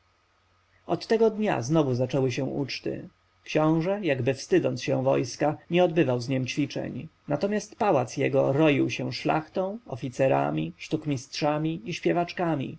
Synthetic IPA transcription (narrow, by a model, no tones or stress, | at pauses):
ɔt̪ːɛɡɔd̪ɲa̰znɔvuzat͡ʂɛwɘɕɛ̃ut͡ʂt̪ɘ̰ | kʃɕɔ̃w̃ʐɛjaɡbɘfst̪ɘd̪ɔnt̪sɕɛ̃w̃vɔ̰jskaɲɛɔd̪bɘvawzɲɛmt͡ɕfʲit͡ʂɛ̰ɲnat̪ɔmʲast̪pawat̪sjɛ̰ɡɔɾɔjiwɕɛ̃ʂla̰xt̪ɔ̃w̃ɔfʲit̪sɛɾa̰mʲiʂt̪ukmʲistʂamʲiiɕpʲjɛvat͡ʂkamʲḭ